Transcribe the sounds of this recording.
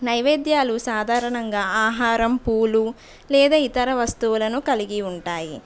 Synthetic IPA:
nɐjʋeːd̪jaːlusaːd̪ʱaːɾɐɳɐŋɡaːaːɦaːɾɐmpuːlu | lɛːd̪aːit̪ɐɾɐʋɐst̪uwulɐnukɐliɡiuɳʈaːji

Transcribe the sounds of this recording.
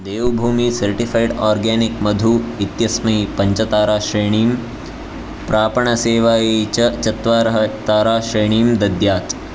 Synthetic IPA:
d̪eːʋbʱuːmiːsɐɾʈifajɖaːɾɡɛːnikmɐd̪ʱuːit̪jɐsmɐipɐɲt͡ʃɐt̪aːɾaːʃɾeːɳ̃iːm | pɾaːpɐɳɐseːʋaːjet͡ʃɐt͡ʃɐt̪ʋaːɾɐɦɐt̪aːɾaːʃɾeːɳ̃iːmd̪ɐd̪jaːt̪

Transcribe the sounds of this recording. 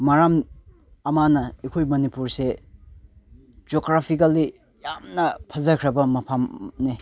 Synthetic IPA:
mɐɾam | ɐmanɐekʰojmɐnipuɾse | d͡ʒoɡɾapʰikɐli | jamnɐpʰɐzɐkʰɾɐbɐmɐpʰamne

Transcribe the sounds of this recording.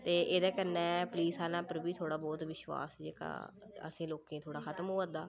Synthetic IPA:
t̪eːʔeːd̪aːkəɾnɛ̃ːpliːsaːlãːpəɾbiːt̪ʰoːɽaːbɔːt̪ʋɪʃwa̰ːsd͡ʒeːka̰ːə̰sĩːloːkẽːt̪ʰoːɽaːkxʰət̪əmɦʊːãːnd̪aː

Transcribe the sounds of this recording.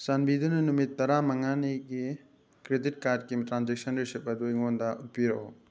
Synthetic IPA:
sanbidunɐnumit̪ːɐɾamɐŋaniɡi | kɾedit̚kaɾd̚kitɾanzek̚sɐnɾesep̚ɐduiŋondaʔupiɾɐo

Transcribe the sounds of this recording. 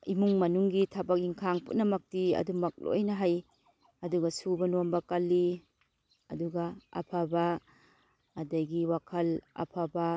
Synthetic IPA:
imuŋmɐnuŋɡitʰabɐk̚iŋkʰaŋpṵtnɐmɐk̚tiɐ̰dumɐk̚lo̰jnɐɦaj | ɐduɡɐsubɐnombɐkɐlːi | ɐ̰duɡɐɐ̰pʰabaː | dɐjɡiwakʰɐlɐ̰pʰaba

